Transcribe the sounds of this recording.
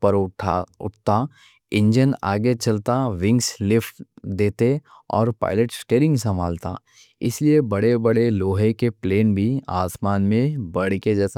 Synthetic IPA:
pɐɾʰʊ̰ʈʰt̪a | ɪ̃ɲd͡ʒənaːɡet͡ʃɐlt̪aʋɪ̃ŋɡslɪfʈd̪eːt̪e | ɔ̰ːɾpa̰ːɪləʈsʈeːɾɪ̃ŋɡsɐmaːlt̪a̰ | ɪ̰sliebɐɽebɐɽeloːɦekepleːnbʱiaːsmaːnmẽbɐɽ̤ked͡ʒɛːsa

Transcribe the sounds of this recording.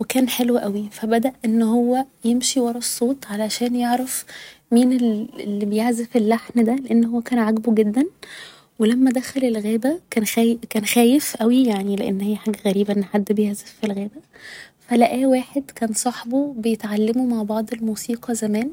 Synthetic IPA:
wekæːnħelwʔæwifæbæd̪æʔʔenːhowːæjemʃiwɑɾˤɑsˤːoːt̪ʕalæʃæːnjeʕɾæfmiːneelːibejeʕzefelːaħnd̪æleʔenːhowːækæːnʕaɡbuɡed̪ːæn | welæmːæd̪æxælelɣæːbækæːnxækæːnxæːjefʔæwijaʕnileʔenːhɪjːæħaːɡæɣæɾiːbæʔenːħad̪ːbejeʕzefːilɣæːbæfælæʔæːwaːħed̪kæːnsˤɑħbobejet̪ʕalːemumaʕbɑʕd̪ˤelmuːsiːqɑzæmæːn

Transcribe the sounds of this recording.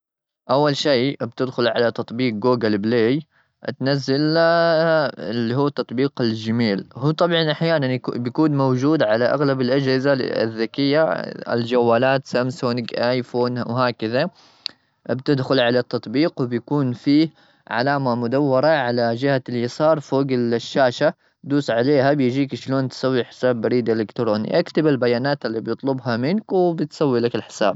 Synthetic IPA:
ʔawːalʃeːbt̪ɪd̪xʊlʕa̰lat̪ɑt̪ˤbiːq̚ɡuːɡalbleːj | ʔt̪nazːal | ɪlːiɦuːt̪ːɑt̪ˤbiːqɪld͡ʒamiːlhuːt̪ˤɑbʕɑnʔaħjaːnanbjkuːnmawd͡ʒuːd̪ʕalaʔa̰ɣlabɪlʔad͡ʒhɪzaɪ̰ðːakɪjːaɪ̰ld͡ʒawːaːlaːt̪samsʊnɡʔajfoːnwɦaːkɪða | bt̪ɪd̪xʊlʕalat̪ːɑt̪ˤbiːqwbjakuːnfiː | ʕa̰laːmamʊd̪awːɑɾˤɑʕalad͡ʒɪhaljɑsɑːɾˤfoːɡɪlʃːaːʃa | d̪uːsʕaleːhabjd͡ʒiːkʃloːnt̪sˤawːiħɪ̥saːbːaɾiːd̪ʔɪlɪkt̪ɾoːnḭʔakt̪abalbajaːnaːt̪alːibjɨt̪ˤlʊbɦamɪnkwɪbɪt̪sˤawːilakɪlħɪ̥sa̰ːb̚

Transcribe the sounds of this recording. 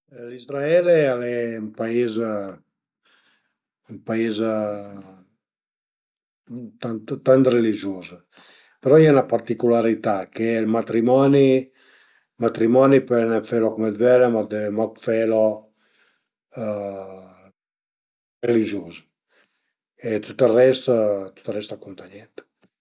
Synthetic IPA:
lizɾaɛlealɛmpaiz | umpaiz | t̪ant̪t̪ant̪relid͡ʒuːz | peɾɔiɛunapaɾt̪ikulaɾit̪akelmat̪ɾimɔni | mat̪ɾimɔnipɛnɛfelokomɛd̪vɛlemad̪emɔkfɛlo | relid͡ʒoːzə | et̪ut̪arɛst̪t̪u̥t̪arɛst̪akont̪aɲɛnt̪

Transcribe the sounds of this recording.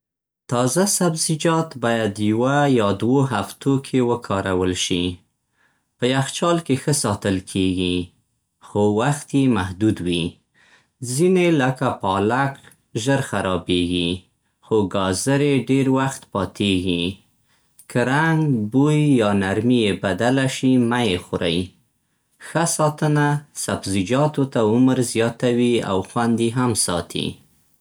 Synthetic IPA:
t̪ɑzasabzid͡ʒɑt̪bɑjad̪jwajɑd̪woɦaft̪ʰokʰewəkʰɑɾawəlʃi | pəjaxt͡ʃɑlkexəsɑt̪əlkʰeɡi | xowaxt̪jemahd̪ud̪wi | zineləkapɑlak | ʒəɾxaɾɑbeɡi | xoɡɑzəɾeɖeɾwaxt̪pɑt̪ʰeɡi | kʰəɾaŋɡbujːɑnaɾmijebad̪alaʃimajexʊɾa̰j | xasɑt̪ənasabzɪd͡ʒɑt̪ot̪aʊməɾzjɑt̪awia̰wxwand̪iɦamsɑt̪ʰḭ

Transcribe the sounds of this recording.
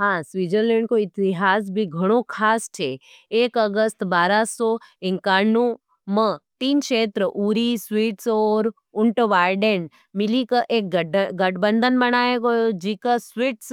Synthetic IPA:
ɦãsʋiːd͡ʒəɾlẽɳɖ̚koɪt̪iɦaːs̬bʱiɡʱəɽ̃okʰaːst͡ʃʰe | eːkəɡəst̪baːɾasoɪ̃ŋkaːɾnu | mə̃t̪iːnkʃeːt̪ɾəʔuɾisʋiːʈsoːɾ | ʊɳʈʋaːɾɖeɳ | mɪlikəʔeːk̚ɡɡəʈbənd̪ʱənbəɽ̃aːeɡojod͡ʒiːkəsʋiʈs

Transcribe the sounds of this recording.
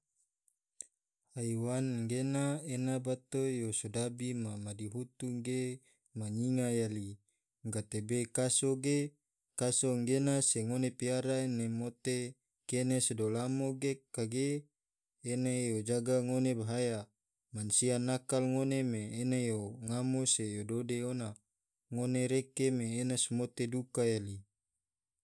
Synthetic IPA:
haiwanɡenaenabat̪ojosodabimamadiɦut̪uŋɡe | maɲiŋajali | ŋɡat̪ebekasoɡe | kasoŋɡenaseŋonepiaɾaenemot̪e | kenesedolamoɡekaɡeː | nejod͡ʒaɡaŋonebaɦaja | mansianakalŋonemeːnejoŋamosejododeona | ŋoneɾekemeːnasmot̪edukajali

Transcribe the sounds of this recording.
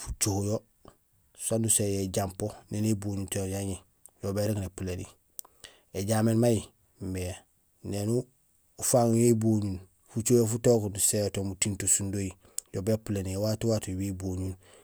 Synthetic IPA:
fu̥t͡ʃohjo | sandusejeɟamponeːneboːɲuntojaɲi | jobeɾeknepulenḭ | eɟameːnmaji | mbe | nenu | ufaŋjoboɲun | fut͡ʃojofutokundusejotomutintosundoji | jobepuleniewatuwatuweboːɲun

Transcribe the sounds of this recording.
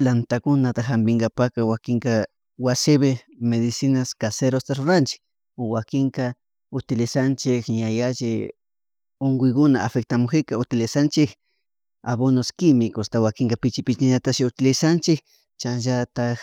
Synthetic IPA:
lant̪akʊnat̪axambɪŋɡapakawakɪŋka | wasɪβe | meðɪsɪnaskaseɾost̪aɾoɾant͡ʃɪ̥k | owakɪŋka | ʊt̪ɪlɪsant͡ʃɪkɲajaʒɪ | oŋɡʊjkʊnaafek̚t̪amʊxɪkaʊt̪ɪlɪsant͡ʃɪk | aβonoskɪmɪkost̪awakɪŋkapɪt͡ʃɪpɪt͡ʃaɲat̪aʃʊt̪ɪlɪsant͡ʃɪk̚ | t͡ʃaʒat̪ax

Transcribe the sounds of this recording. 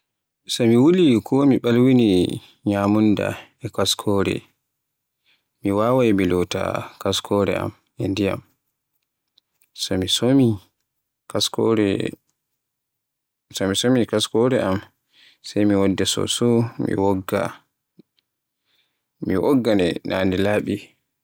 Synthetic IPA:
sɔmiwulikʰɔmiɓalwini | ɲamunda̰ɛkaskʰɔːɾɛ̰ | miwawajmilɔta̰kaskʰɔɾɛ̰a̰m | ɛndija̰m | sɔmisomi | kasɔɾɛ̰ | sɔmisomikaskɔɾɛʔam | sɛjmiwɔdːɛsɔ̰sɔmḭwɔɡːa̰ | miwɔ̰ɡːanɛna̰ːndɛlaːɓi

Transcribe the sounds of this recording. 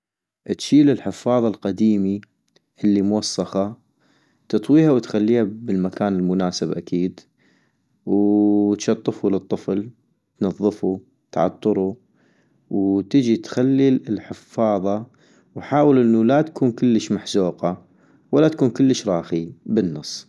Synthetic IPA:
ʔt̪ʃiːlɪlħɪfːɑːðˤɑlqad̪iːmi | ʔɪlːimʊwɑsˤːɑxɑ | t̪ɨt̪ˤwiːhawt̪xalːiːhabɪlmakaːnɪlmʊnaːsɪbʔakʰiːd̪ | wt̪ʃɑt̪ˤːɨfulɨt̪ˤːɨfl | t̪nɑðˤːɨfu | t̪ʕɑ̰t̪ˤːɨɾu | wt̪ɪd͡ʒit̪xalːiɪlħɪfːɑːðˤɑ | wħaːwəlʔɪnːulat̪ḁkuːnkɪlːəʃmaħzuːqɑ | walːat̪ḁkuːnkəlːəʃɾˤɑːxibənːɑsˤː

